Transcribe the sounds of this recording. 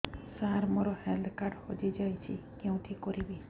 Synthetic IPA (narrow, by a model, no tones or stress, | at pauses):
saɾmoɾɔheld̪kaɾɖhod͡ʒid͡ʒajt͡ʃʰikeũt̪ʰikɔɾibi